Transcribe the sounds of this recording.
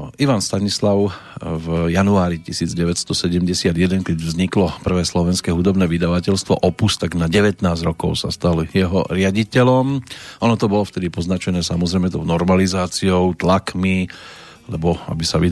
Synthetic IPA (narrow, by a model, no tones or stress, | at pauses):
iʋanst̪aɲislaʊ | vjanuaːɾicisiːd͡zɟɛʋɛcst̪ɔsɛɟɛmɟɛsɪad̪jɛd̪ɛnkɛɟvzɲiklɔpr̩ʋɛːslɔʋɛnskɛːɦud̪ɔbnɛːʋid̪aʋacɛʎst̪ʋɔ̰ʔɔpust̪aɡnaɟɛʋɛt̪naːzɟɾɔkɔʊsa̰st̪aljɛɦɔ̰ɾɪaɟicɛlɔmʔɔnɔt̪ɔbɔlɔft̪ɛd̪ipɔznat͡ʃɛnɛːsamɔzɾɛɪmɛt̪ɔʊnɔɾmalizaːt͡siɔʊt̪lakmi | lɛbɔa̰bisaʋi